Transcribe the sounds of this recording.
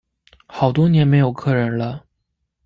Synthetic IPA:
xɑ˨˩ʊt̪̬wɔ˥njɛ˧˥nme˧˥ɪjo˨˩ʊkʰɤ˥˩ɻə˧˥nlə˧

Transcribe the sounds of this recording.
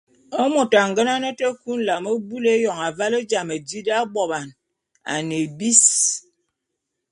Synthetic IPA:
ə˦mo˨ta˨ŋ̩˨ɡə˦na˦nə˦tə˦ku˦n̩˦la˨mə˦bu˦le˦jɔ˨ŋa˨va˦le˦d͡ʒa˨me˨d͡ʒi˦da˦bɔ˨ba˨n | a̰˨ne˨bi˦s

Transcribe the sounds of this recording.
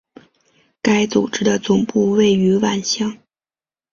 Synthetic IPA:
ka˥ɪt͡su˨˩ʈ͡ʂɻ̩˥d̪ə˨t͡sʊ˨˩ŋpu˥˧we˥˩ɪy˧˥wa˨˩nɕjɑ˥˩ŋ

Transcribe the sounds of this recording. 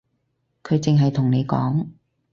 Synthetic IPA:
kʰɵ˨˧˥t͡sɪ˨ŋɦɐ˨jt̪ʰʊ˨˩ŋne˨˧jkɔ̰ː˨˥ŋ

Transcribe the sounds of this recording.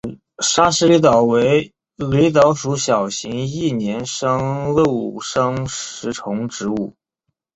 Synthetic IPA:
ʂa˥ʂɻ̩˧˥li˧˥t̪ɑ˨˩ʊwe˧˥ɪ | li˧˥t̪̬ɑ˧˥ʊʂu˧˥ɕjɑ˨˩ʊɕi˧˥ŋi˥˩njɛ˧˥nʂɤ˥ŋlɤ˥˧˩ʂɤ˥ŋʂɻ̩˧˥ʈ͡ʂʰʊ˧˥ŋʈ͡ʂɻ̩˧˥u˥˩

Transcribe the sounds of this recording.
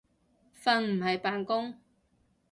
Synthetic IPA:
fɐ˧nm̩˨˩hɐ˨jpaː˨nkʊ˥ŋ

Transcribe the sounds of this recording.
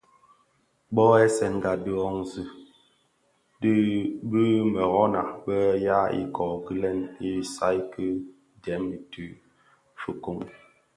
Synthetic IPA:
ɓɔ˦ɛ˦sɛ˨ŋ˨ɡa˨dɨ˦ɔ˦ŋzɨ˦ | di˦bɨ˦mɛ˨ɣɔ˦na˨bɛ˦ja˦ḭ˦kɔ˨ɡi˦lɛ˦ni˦sa˦jkɨ˦ | dɛ˨˦mi˨tʉ˦ | fu˨ko˦˨ŋ

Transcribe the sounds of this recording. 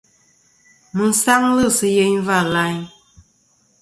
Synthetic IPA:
mɨ˨n̩˦sa˦ŋlɨ˦˨sɨ˦je˦ɲva˦˨la˦ɲ

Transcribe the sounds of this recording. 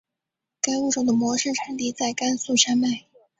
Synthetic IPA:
ka˥ɪu˥˩ʈ͡ʂo˥˩d̪ə˩mwɔ˧˥ʂɻ̩˥˩ʈ͡ʂʰa˧˥ŋt̪i˥˧t͡sa˥˩ɪka˥nsu˥˩ʂa˥nma˥˩ɪ

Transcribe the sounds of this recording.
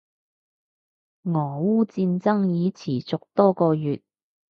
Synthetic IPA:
ŋɔː˨˩wuː˥t͡siː˧nt͡sɐ˥ŋjiː˨˧t͡sʰiː˨˩t͡sʊ˨k̚t̪ɔː˥kɔː˧jyː˨t̚

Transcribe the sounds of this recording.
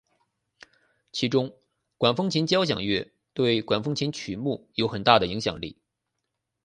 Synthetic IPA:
t͡ɕʰi˧˥ʈ͡ʂʊ˥ŋ | kwa˨˩nfɤ˥ŋt͡ɕʰi˧˥nt͡ɕjɑ˥ʊɕ̬jɑ̰˨˩ŋɥɛ˥˩ | t̪we˥˩ɪkwa˨˩nfɤ˥ŋt͡ɕʰi˧˥nt͡ɕʰy˨˩mu˥˩jo˧˥ʊxə˨˩nt̪a˥˩d̪ə˩i˧˥ŋɕjɑ̰˨˩ŋlḭ˥˩

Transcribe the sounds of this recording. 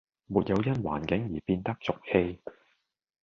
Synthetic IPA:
muː˨t̚jɐ˨˧wjɐ˥nwa̰ː˨˩nkɪ˨˥ŋjiː˨˩piː˧nt̪ɐ˥k̚t͡sʊ˨k̚he˧j

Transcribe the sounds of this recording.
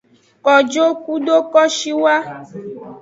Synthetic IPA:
kɔ˨d͡ʒo˦ku˦ɖo˦kɔ˦ʃi˦wa˦

